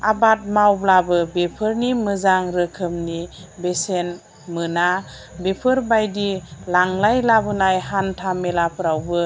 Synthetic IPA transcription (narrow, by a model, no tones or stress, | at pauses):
abat̚mawblabɯbepʰɯɾnimɯzaŋɾɯkʰɯmnibesen | mɯna | bepʰɯɾbajdilaŋlajlabɯnajhantʰamelapʰɾawbɯ